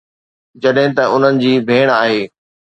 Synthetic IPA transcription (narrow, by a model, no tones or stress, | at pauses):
d͡ʑɐɗɦɪ̃t̪ɐʊn̤ənɪ̆d͡ʑiːbʱeːɽ̃aːɦeː